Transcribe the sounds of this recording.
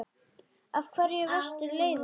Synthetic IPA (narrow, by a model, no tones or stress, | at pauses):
avkʰvɛɾjɛɣvœr̥st̪ɪleːjð